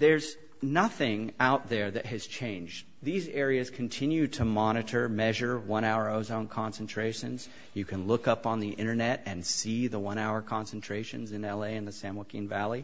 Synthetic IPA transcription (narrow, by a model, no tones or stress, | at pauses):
ðə˞z | nʌθɪ̃ŋaʊt̪̚ðə˞ðɨt̚hɨz̥t͡ʃʰẽɪ̃nd͡ʒ | ðizɛɹiɨz̥kʰɨ̃n̩tʰɪ̃njʉd̚tʰɨmɑɾ̃ɨɾə˞mɛʒə˞wʌ̃ɾ̃aʊə˞oʊzõʊ̃nkʰɑ̃nsn̩tʰɹ̥eɪʃɨ̰̃nz̥ | jɨkʰɨ̃nlʊkʌpn̩ðiʔɪ̃ɾ̃ə˞nɛɾɨ̃nsiðəwʌ̃ɾ̃aʊə˞kʰɑ̃nsn̩tʰɹ̥eɪʃɨ̃nzɨ̃nɛlˠeɪɨ̃nðɨsæ̃məkʰḭ̃nvælˠi